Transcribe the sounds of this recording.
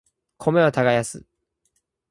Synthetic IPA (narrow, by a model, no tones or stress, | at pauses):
kʰo̞me̞ot̪aɡajasɨ̰